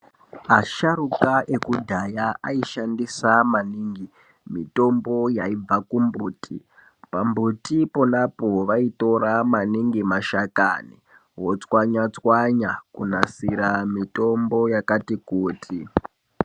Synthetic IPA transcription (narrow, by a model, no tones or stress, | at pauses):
aʃaɾukaʔekudʱajaaiʃandisamaniŋɡi | mḭto̞mbo̞jaib͡vakumbuːtʰḭ | pambutipo̞napo̞ʋaito̞ɾamaniŋɡimaʃaka̰ni | ɦot͡swaɲat͡swaɲakunasiɾamito̞mbo̞jakatikuːtʰi